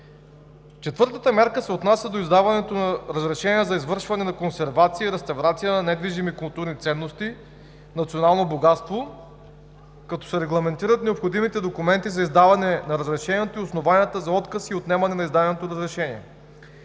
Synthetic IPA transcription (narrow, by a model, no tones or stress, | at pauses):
t͡ʃɛt̪vɤɾt̪ət̪əmʲɛɾkəsɛot̪nasʲjɐd̪oizd̪avɐnɛt̪onɐɾəzɾɛʃɛniɛzɐizvɤɾʃvɐnɛnɐkonsɛɾvat̪siiɾɛst̪ɐvɾat̪sijənɐnɛd̪viʒimikʊlˠt̪uɾnit̪sɛnːost̪i | nɐt̪sionalˠnoboɡat̪st̪vo | kɐt̪ɔ̥sɛɾɛɡlˠɐmɛnt̪iɾɐt̪nɛopxod̪imit̪ɛd̪okumɛnt̪izɐizd̪avɐnɛnɐɾəzɾɛʃɛniɛt̪oiosnovanʲijət̪əzɐɔt̪kəsiot̪nɛmɐnɛnɐizd̪anɛnot̪oɾəzɾɛʃɛniɛ̰